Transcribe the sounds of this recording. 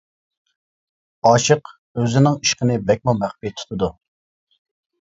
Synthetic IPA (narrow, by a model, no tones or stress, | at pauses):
ɑʃəq | øzɪnɪŋiʃqənɪbɛk̚ʲmumæχpijɛt̪ʰu̥t̪ʰɨd̪u